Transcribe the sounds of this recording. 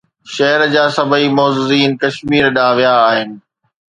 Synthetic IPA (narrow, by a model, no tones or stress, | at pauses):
ʃɐɦəɾd͡ʑaːsɐbʱəimɔːzɪziːnkɐʃmiːɾɗaːʋijaːɦɪnɪ̆